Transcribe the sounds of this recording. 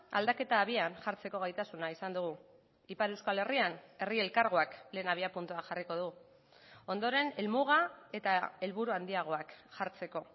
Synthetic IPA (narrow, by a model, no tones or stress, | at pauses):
a̰ld̪ake̞t̪aːβianʝaɾt͡se̞ko̞ɣ̞ajt̪asunaisand̪uɣ̞u | ipaɾe̞wskale̞riane̞rie̞lkaɾɣ̞oakle̞ːnaβ̞iapunt̪uaxariko̞ðɣu | o̞nd̪o̞ɾe̞ne̞lmuɣae̞t̪ae̞lβuɾuand̪iaɣ̞o̞akʝaɾt͡se̞ko̞